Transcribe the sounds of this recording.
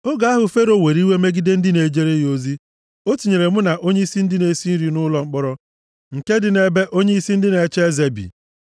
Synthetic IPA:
o˦ɡa˨˦a˦ɦʊ˨fe˦ɾo˦˨we˨ɾi˦we˦me˦ɡi˦de˦n̩˦dɪ˦ne˨d͡ʒe˦ɾe˦jo˦zi˦ | o˦ti˨ɲe˨ɾe˨mʊ˦na˨ʔo˦ɲe˦i˦si˦n̩˦dɪ˦ne˨si˦n̩˦ɾi˨nʊ˦lɔ˨ŋ͡m̩˦k͡pɔ˦ɾɔ˦ | ŋ̩˨ke˦dɪ˨ne˨be˦ʔo˦ɲe˦i˦si˦n̩˦dɪ˦ne˨t͡ʃe˦ze˨bḭ˨

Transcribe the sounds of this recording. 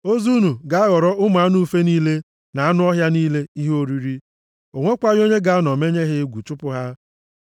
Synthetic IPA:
o˦zu˦nu˨ɡa˨a˦ɣɔ˨ɾɔ˦ʔʊ˦m˨a˨˦nu˦fe˦niː˦le˦ | na˨a˦nʊ˦ɔ˦ɦja˦niː˦le˦i˦ɦo˦ɾi˦ɾi˦ | o˨ŋʷe˦kʷa˦ɣo˦ɲe˦ɡa˨˦nɔ˨me˦ɲe˦ɦe˦ɡʷu˨t͡ʃʊ˦pʊ˦ɦa˦

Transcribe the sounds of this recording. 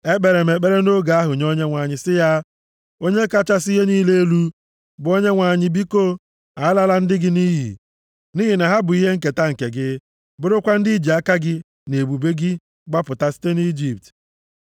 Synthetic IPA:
e˦k͡pe˨ɾe˨m̩˨e˨k͡pe˦ɾe˦no˦ɡa˨a˦ɦʊ˨ɲo˦ɲe˦ŋʷa˨ɲɪ˦sɪ˦ja˦ | o˦ɲe˦ka˦t͡ʃa˦si˦ɦe˦niː˦le˦e˦lu˦ | bʊ˨o˦ɲe˦ŋʷa˨ɲɪ˦bi˦ko˦˨ | a˨˦la˦la˦n̩˦dɪ˦ɡɪ˦ni˦ɦḭ˨ | ni˦ɦi˨na˨ɦa˦bʊ˨i˦ɦe˦ŋ̩˦ke˨ta˦ŋ̩˨ke˨ɡɪ˦ | bʊ˦ɾʊ˦kʷa˦n̩˦di˦i˦d͡ʒi˨a˦ka˦ɡɪ˦ | ne˨bu˨be˦ɡɪ˦ | ɡ͡ba˦pʊ˨ta˦si̥˦te˦ni˦d͡ʒi˨p̚t

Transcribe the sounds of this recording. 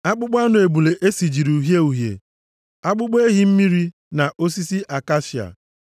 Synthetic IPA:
a˦k͡pʊ˦ɡ͡ba˦nʊ˨e˨bu˨le˨ʔe˦si˨d͡ʒi˨ɾu˨ɦje˦u˨ɦjḛ˨ | a˦k͡pʊ˦ɡ͡be˦ɦi˦m̩˦mi˦ɾi˦ | na˨ʔo˦s̬i˦si˦ʔa˨ka˦ʃi˨a̰˨

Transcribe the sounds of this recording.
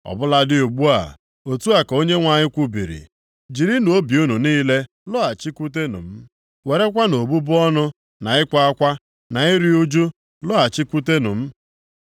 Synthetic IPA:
ɔ̰˨bʊ˦la˦dɪ˦u˨ɡ͡bu˦a̰˨ | o˨tu˦a˨ko˦ɲe˦ŋʷa˨ɲɪ˦kʷu˦bi˨ɾḭ˨ | d͡ʒi˨ɾi˦n˨o˦bi˨u˦nu˨niː˦le˦ | lɔ˦a˨t͡ʃi˦kʷu˦t̬e˦nʊ̰˨m̩˦ | we˨ɾe˦kʷa˦no˨bu˦bʊ˦ɔ˦nʊ˦ | na˨ɪ˦kʷa˦a˦kʷa˦ | na˨i˦ɾi˦u˦d͡ʒu˦ | lɔ˦a˨t͡ʃi˦kʷu˦te˦nʊ̰˨m̩˦

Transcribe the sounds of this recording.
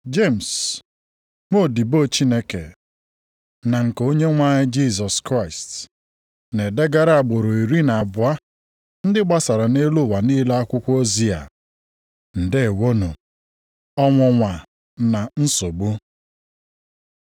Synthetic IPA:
d͡ʒe˦˨m̩˨s | mo˦˨di˨bo˦˨t͡ʃi˦ne˦kḛ˨ | na˨ŋ̩˨ko˦ɲe˦ŋʷa˦ɲɪ˦d͡ʒi˦˨s̬ɔ˨skɾa˦˨ɪ˨st | ne˨de˦ɡa˦ɾa˦a˨ɡ͡bo˨ɾo˨i˨ɾi˦na˨bʊ˨a˦ | n̩˦dɪ˦ɡ͡ba˦sa˨ɾa˨ne˦lʊ˦˨wa˨ni˦la˦a˦kʷʊ˦kʷo˦zi˦a̰˨ | n̩˨de˦e˨wo˦nu˨ | ɔ˦ŋʷɔ˨ŋʷa˨ | na˨n̩˦so˨ɡ͡bu˦

